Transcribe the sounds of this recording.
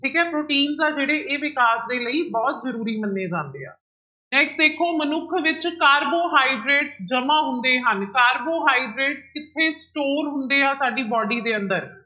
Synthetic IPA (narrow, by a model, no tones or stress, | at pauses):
ʈʰiːkɛ̃ːpɾoːʈiːnzaːd͡ʒeːɽeːʔeːʋɪkaːsd̪eːləiːbɔːt̪zəɾuːɾiːmənːeːd͡ʒãːnd̪ḛːa̰ː | nɛ̃ːksʈd̪eːkʰoːmənʊkʰʋɪt͡ʃkaːɾboːɦaːiɖɾeːʈsd͡ʒəmãːɦʊnd̪eːɦənkaːɾboːɦaːiɖɾeːʈskɪt̪ʰːeːsʈoːɾɦʊnd̪eːaːsaːɖiːbɔːɖiːd̪eːənd̪əɾ